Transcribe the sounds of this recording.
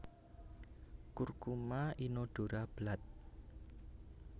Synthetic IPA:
kurkumainoɖ̥o̤ɾab̥lat̪̚

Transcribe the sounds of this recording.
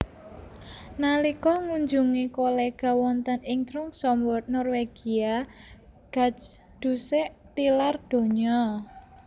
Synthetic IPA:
nalikɔŋuɲd͡ʒuŋikoleɡ̥a̤wɔnt̪ənɪŋt̪ɾʊŋsɔmbɔrt̪̚nɔrweɡ̥ia | ɡ̥a̤sd̪̥ṳseʔt̪ilard̪̥o̤ɲɔ

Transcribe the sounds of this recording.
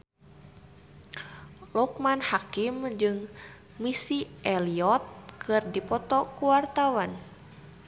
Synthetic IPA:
lɔkmanhakimd͡ʒɨŋ | misiʔɛliɔt̪̚kʰɨrdipɔt̪ɔkuwart̪awan

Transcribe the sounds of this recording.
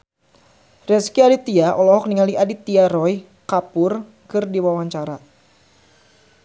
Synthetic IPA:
rɛskiadit̪iaʔɔlɔɦɔk̚niŋaliʔadit̪iaɾɔj | kapʊr | kɨrdiwawaɲt͡ʃaɾa

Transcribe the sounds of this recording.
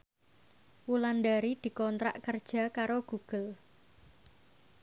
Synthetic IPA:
wulanɖaɾid̪̥i̤kɔnt̪ɾa̰ʔkərd̥ʒ̥a̤kaɾoɡ̥uɡ̥ə̤l

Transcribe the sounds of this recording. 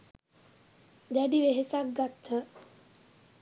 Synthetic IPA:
d̪æɖiʋeɦesak̚ɡat̪ʰːə

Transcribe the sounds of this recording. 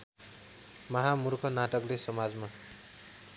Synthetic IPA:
mʌɦamurkʰʌnaʈʌklesʌmad͡zma

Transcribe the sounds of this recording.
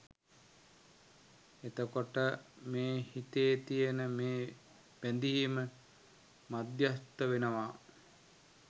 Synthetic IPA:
et̪əkoʈəmeːhit̪ejːt̪ijənəmeː | ʋænd̪iimə | mad̪jast̪ːəʋenəʋa

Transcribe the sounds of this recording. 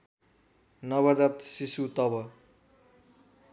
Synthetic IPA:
nʌβʌd͡zat̪sisut̪ʌbʌ

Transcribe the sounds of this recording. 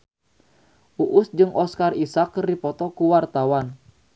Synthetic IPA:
ʔuʔʊsd͡ʒɨŋɔskarisakːripɔt̪ɔkuwart̪awan

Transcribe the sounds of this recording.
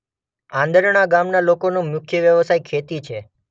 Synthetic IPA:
ãnd̪əɾɳaɡamnalokonũmjʊkʰjəʋjəʋsajkʰet̪it͡ʃʰe

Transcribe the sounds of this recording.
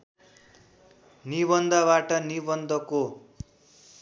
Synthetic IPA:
niβʌnd̪ʱʌβaʈʌnibʌnd̪ʱʌko

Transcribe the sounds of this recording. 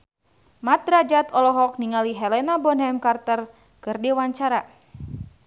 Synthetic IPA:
mat̪̚ɾad͡ʒat̪ɔlɔɦɔk̚niŋaliɦɛlɛnabɔnɦɛmkart̪ər | kɨrdɛwaɲt͡ʃaɾa

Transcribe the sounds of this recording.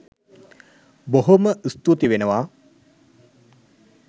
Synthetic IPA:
boɦoməʔist̪ut̪iʋenəʋaː

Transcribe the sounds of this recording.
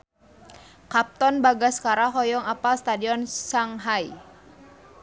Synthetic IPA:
kap̚t̪ɔnbaɡaskaɾaɦɔjɔŋapast̪adiɔnsaŋɦaj

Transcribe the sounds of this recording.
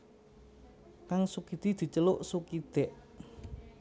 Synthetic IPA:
kaŋsukid̪̥i̤d̪̥i̤t͡ʃəlʊʔsukid̪̥ɛʔ

